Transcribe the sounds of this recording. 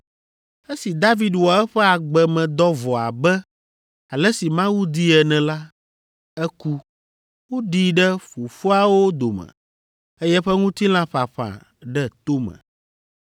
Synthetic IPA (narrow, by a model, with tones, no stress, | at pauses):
ɛ˦si˨d̪a˦vi˦d̪wɔ˨ɛ˦ɸɛ˦a˨ɡ͡bɛ˨mɛ̃˨d̪ɔ˦vɔ˨a̰˨bɛ˦ | a˨lɛ˦si˨mã˦wu˦d̪i˦ɛ˨nɛ̃˨la˦ | ɛ˦ku˦ | wo˦ɖi˦ɖɛ˦fu˨fo˦a˦wo˦d̪o˨mɛ̰̃˨ | ɛ˦jɛ˦ɸɛ˦ŋũ˦t̪i˦l̃ã˦ɸa˨ɸã̰˨ | ɖɛ˦t̪o˦mɛ̰̃˨